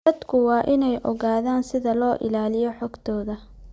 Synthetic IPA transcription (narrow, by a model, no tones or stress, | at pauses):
ɐd̪kʰʊwɑːʔɪnɛjʔɔɣaːðaːnsɪðɐlɔːʔɪ̰laːlɪjɔħɔɡt̪ʰɔːðɐ